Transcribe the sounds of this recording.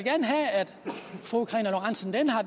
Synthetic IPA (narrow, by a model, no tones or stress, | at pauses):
ɡ̥æɐnəɦææd̥fʁukʰʁɛnæloʁɑnsən̩d̥enɦɑ̈d